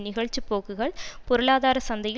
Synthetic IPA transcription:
nɪɣɐɭt͡ʃːipːoːkːɯɣɐɭpɔɾɯɭaːðaːɾɐsɐnd̪ɐjɪ

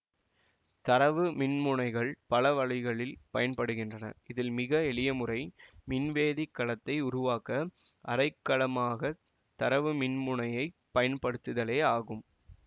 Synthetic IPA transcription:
t̪ɐɾɐʋɯmɪnmʊnɐɪɣɐɭpɐlɐʋɐɻɐɪɣɐɭɪlpɐjɐnpɐɽɯɣɪndrɐnɐ̰ʔɪðɪlmɪɣɐɛɭɪjɐmɯrɐɪmɪnʋeːðɪkːɐɭɐt̪ːɐɪʊɾʊʋaːkɐʔɐɾɐɪkːɐɭɐmaːɣɐ | t̪ɐɾɐʋɯmɪnmʊɳɐjɐɪpːɐjɐnpɐɽɯt̪ːɯðɐleːaːɣɯm

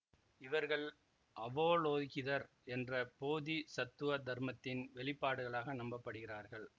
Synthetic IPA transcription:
ɪʋɐɾɣɐɭ | ʔɐʋoːloːɣɪðɐɾ | ɛndrɐpoːðisɐt̪ːɯʋɐd̪ʱɐɾmɐt̪ːɪnʋɛɭɪpːaːɽɯɣɐɭaːɣɐnɐmbɐpːɐɽɯɣɪraːɾɣɐɭ

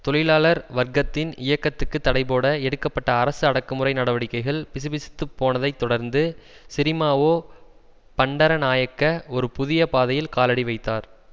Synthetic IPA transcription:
t̪ɔlɪlaːlɐɾʋɐɾɡɐt̪ːɪnɪjɐkːɐt̪ːɯkːɯt̪ːɐɽɐɪpoːɽɐɛɽɯkːɐpːɐʈːɐːɾɐsɯɐɽɐkːɯmɯrɐɪnɐɽɐʋɐɽɪkːɐɪɣɐɭpɪsɯbɪsɪ̥t̪ːɯpːoːnɐðɐɪt̪ːɔɽɐɾnd̪ɯsɪɾɪmaːʋoː | pɐɳɖɐɾɐnaːjɐkːɐɔɾɯpʊðɪjɐpaːðɐjɪlkaːlɐɽiʋɐɪt̪ːaːɾ

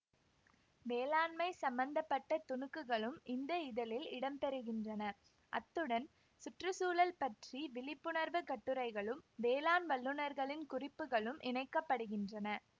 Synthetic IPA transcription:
ʋeːlaːnmɐɪsɐmbɐnd̪ɐpːɐʈːɐt̪ʊɳɯkːɯɣɐɭɯmɪnd̪ɐɪðɐlɪlɪɽɐmpɛɾɯɣɪndrɐnɐ | ʔɐt̪ːɯɽɐn | sʊʈrɯsuːlɐlpɐʈriʋɪlɪpːɯɳɐɾʋɯkɐʈːɯɾɐɪɣɐɭɯmʋeːlaːnʋɐɭːɯnɐɾɣɐɭɪnkʊrɪpːɯɣɐɭɯmʔɪnɐɪkːɐpːɐɽɯɣɪndrɐnɐ

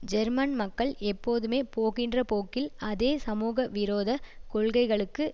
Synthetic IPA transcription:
d͡ʒɛɾmɐnmɐkːɐɭɛpːoːðɯmeːpoːɣɪndrɐpoːkɪlɐðeːsɐmuːɣɐʋɪɾoːðɐkɔɭɣɐɪɣɐɭɯkːɯ

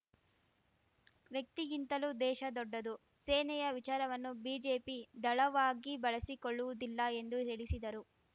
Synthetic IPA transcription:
ʋjɐk̚t̪iɡint̪ɐlud̪ɛːʃɐd̪ɔɖːɐd̪u | seːnɛjɐʋit͡ʃaːɾɐʋɐnːubiːd͡ʒeːpid̪ɐɭɐʋaːɡibɐɭɐsikoɭːuʋud̪ilːɐe̞nd̪ut̪iɭisid̪ɐɾu

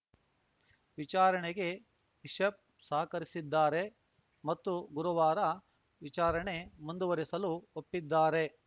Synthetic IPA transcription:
ʋit͡ʃaːɾɐɳeɡe̞ | iʃɐp̚ | saːɐkɐɾisid̪ːaːɾe | mɐt̪ːuɡuɾɐʋaːɾɐ | ʋit͡ʃaːɾɐɳe̞mund̪uʋɐɾisɐluopːid̪ːaːɾe̞

